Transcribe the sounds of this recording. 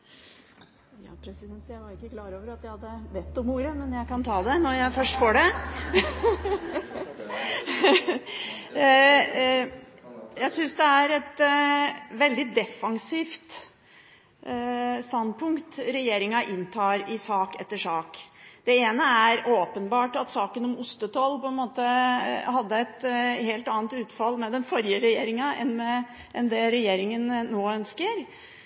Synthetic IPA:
jɑ̰ːpʰɾɛsɪd̪ɛnt̪jæɪʋɑɾɪkːəkʰlɑːɾoːʋəɾɑt̪jæhɑd̪ːəʋɛt̪ːɔmuːɾəmɛnjæɪkɑnt̪ʰɑːd̪ɛnɔɾjæɪfœʂʈfɔɖɛ | jæɪsʏnsd̪ɛæɾɛt̪ | ʋɛld̪ɪd̪ɛfɑŋsiːft̪ | st̪ɑnd̪̚pʰʊŋkt̪ɾɛjeːɾɪŋɑʔɪnt̪ʰɑːɾɪsɑːkɛt̪ːəʂɑːkd̪̥ɛeːnəæɾoːpənbɑːʈɑt̪sɑːkənɔmʊst̪ət̪ʰɔlpʰɔɛnmoːt̪əhɑd̪ːəɛt̪heːlt̪ɑːnt̪ʉːt̪fɑlːmɛd̪ɛnfɔɾjəɾɛjeːɾɪŋɑʔɛ̰nmɛː | nd̪ɛɾɛjeːɾɪŋənːoːœnskəɾ

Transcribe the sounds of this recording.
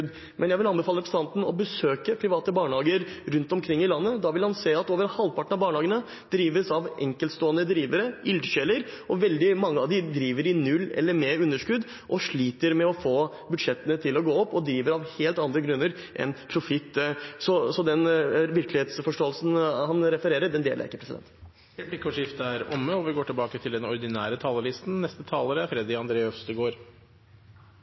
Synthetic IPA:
d̪ | mʔɛnjæɪʋɪlɑnbəfɑləpʰɾəsɑnt̪n̩ɔ̰bəsøːkəpʰɾɪʋɑːt̪əbɑːɳɑːɡəɾɾʉnt̪ɔmkʰɾɪŋːɪlɑnːəd̪ɑʋɪlhɑnseːɑt̪oːʋəɾnhɑlʋpʰɑʈəɳ̩ɑʋbɑːɳəhɑːɡənə | d̪̥ɾiːʋəsɑʋɛŋkəlt̪st̪oːənəd̪ɾiːʋəɾəɪld̪ɕɛləɾɔʋɛld̪ɪmɑŋːəɑʋd̪ɪd̪ɾiːʋəɾɪnʉlːɛ̰lːəɾmeɾʉnːəʂkʉd̪ | ʔɔʂɭiːt̪əɾmɛɔfoː | bʉd̪ʂɛt̪ːənət̪ʰɪlɔɡoːɔpːɔd̪ɾiːʋəɾɑʋheːlt̪ɑnd̪ɾəɡɾʉnːəɾ | ʔɛ̰npʰɾʊfɪt̪ːsɔsɔd̪ɛnʋɪɾklɪheːt̪sfɔʂʈoːəlsn̩hɑnɾɛfəɾeːɾəɖɛnd̪ḛːlə̰ɾɪkːəpʰɾɛsɪd̪ɛ̰nt̪ | ɾɛblɪkʰːɔʂɪft̪əæɾɔmːəɔʋɪɡoːʈʰɪlbɑːkət̪ʰɪld̪ɛnɔɾd̪ɪnæ̰ːɾət̪ʰɑːləɭɪst̪n̩nɛst̪ət̪ʰɑːləɾəfɾɛd̪ɪɑnd̪ɾeːœfst̪ɪɡoːɾ

